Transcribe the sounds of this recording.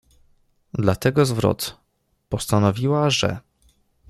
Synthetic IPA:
d̪lat̪ɛɡɔzvɾɔ̰t̪ | pɔst̪anɔvʲiwaʐɛ̰

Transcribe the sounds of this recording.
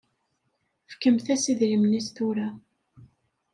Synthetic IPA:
fkəmθæsiðɾimnist̪uɾa

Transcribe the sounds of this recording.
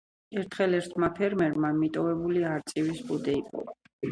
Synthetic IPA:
ɛɾt̪ʰχɛlɛɾt̪ʰmapʰɛɾmɛɾmamit̪ʼɔvɛbuliaɾt̪sʼivisbud̪ɛipʼɔ̰va

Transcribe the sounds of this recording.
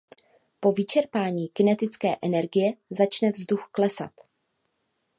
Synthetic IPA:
po̞vɪt͡ʃɛɾpaːɲiːkɪnɛt̪ɪt͡skɛːʔɛnɛɾɡɪjɛzat͡ʃnɛvzduxklɛsa̰t̪

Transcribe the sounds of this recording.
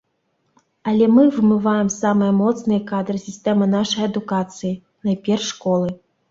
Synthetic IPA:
ɐlʲɛmɨvɨmɨvajɛmsamɨjɛmɔt̪snɨjɛkad̪ɾɨsʲisʲt̪ɛmɨnaʂɐjɐd̪ukat̪sɨji | nɐpʲɛrʂːkɔlˠɨ

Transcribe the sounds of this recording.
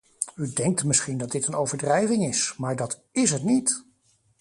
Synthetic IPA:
ydɛŋk̚tmɪsχindɑdɪtənowvəɹdrɛjvɪŋɪsmaːɹdɑt | ɪsɦətnit

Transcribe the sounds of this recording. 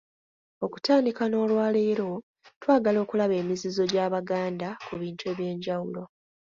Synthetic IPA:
o̞ku̥taːndikano̞ːlwaːle̞ːɾo̞ | twaːɡalo̞ːkulaβe̞ːmizizo̞ɟaːβaɡaːndakuβiːntuwe̞ːβje̞ːɲɟawulo̞

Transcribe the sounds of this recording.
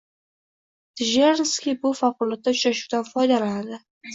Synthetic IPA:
t̪ʰɪʒeɾnskʲibʊfaqʊlˠat̪ːat͡ʃʰʊɾaʃud̪anfɒjd̪alanad̪ɪ

